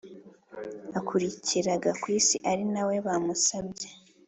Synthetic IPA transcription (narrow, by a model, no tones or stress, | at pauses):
akʰuɾicʰiɾaɡakwiːsiʔaɾinawe̞βamusaβɟe